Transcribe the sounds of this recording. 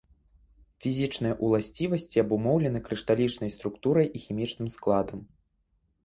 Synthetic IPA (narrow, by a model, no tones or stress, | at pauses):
fʲizʲit͡ʂnɐjɐʔulˠasʲt͡sʲivɐsʲt͡sʲiɐbumɔwlʲɛnɨkɾɨʂt̪alʲit͡ʂnɐjst̪ɾukt̪uɾɐjʔixʲimʲit͡ʂnɨmsklˠad̪ɐm